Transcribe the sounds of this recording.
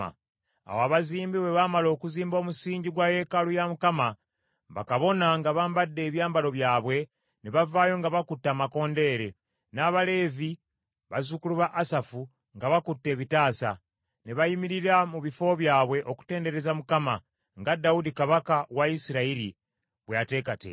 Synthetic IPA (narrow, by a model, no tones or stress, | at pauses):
a̰woaβaziːmbiβe̞βamalo̞ːkuziːmbo̞ːmusiːɲɟiɡwaje̞kalujamukama | βa̰kaβo̞naŋɡaβaːmbadːe̞ːβjaːmbalo̞βjaːβwe̞ | neβavaːjo̞ŋɡaβakutːaːmako̞ːnde̞ɾe̞ | naːβale̞ːvi | βazukuluβaʔːsafu | ŋɡaβakutːe̞ːβitaːsa̰ | neβajimiɾiɾamuβifo̞βjaːβwe̞ʔo̞ku̥te̞ːnde̞ɾe̞zamukama | ŋɡadaudikaβakawaisiɾaiɾḭ | βweate̞ːkatḛ